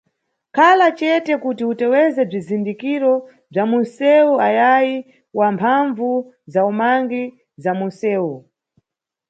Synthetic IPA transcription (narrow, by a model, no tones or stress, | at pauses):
kʰalat͡ʃɛtɛkutiutɛwɛzɛb͡ʐizindikiɾɔ | b͡ʐamunsɛuajaji | wampʰaɱvu | zaumaŋɡi | zamunsɛːu